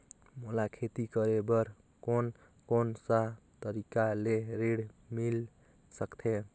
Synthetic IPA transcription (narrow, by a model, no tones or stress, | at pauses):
molakʰet̪ikʌɾebʌɾ | kon | konsa | t̪əɾikaleɾeɽmil | səkt̪ʰe